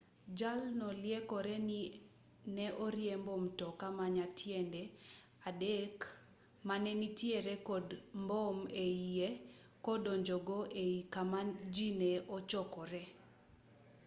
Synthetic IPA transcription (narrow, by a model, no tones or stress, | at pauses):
d͡ʒalnɔljekɔɾɛni | nɛʔɔɾjembomtɔkamaɲatʰjɛndɛ | adek | manɛnitjeɾɛkɔdmbɔmeie | kɔdɔɲd͡ʒɔɡɔʔeikamad͡ʒinɛɔt͡ʃɔkɔɾɛ